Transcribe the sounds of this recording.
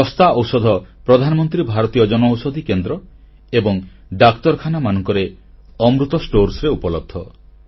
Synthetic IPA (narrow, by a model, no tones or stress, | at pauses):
ɔst̪aɔwsɔd̪ʱɔpɾɔd̪ʱanɔmɔnt̪ɾibʱaɾɔt̪ijɔd͡ʒɔnɔwsɔd̪ʱikend̪ɾɔ | ebɔŋ | ɖak̚t̪ɔɾkʰanamanɔŋkɔɾeɔmɾut̪ɔsʈoɾsɾeupɔlɔd̪ʰʱːɔ